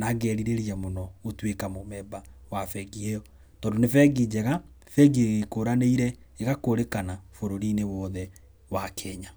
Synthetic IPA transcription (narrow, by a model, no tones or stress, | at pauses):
naɡɛːɾiɾeɾiɛmonɔotwekamomɛba | wafɛɡiɛjɔ | tɔːndonefɛɡid͡ʑɛɣa | fɛɡieɣekoɾaneiɾɛeɣakoɾekanafoɾoɾinewɔðɛ | wakʰɛɲa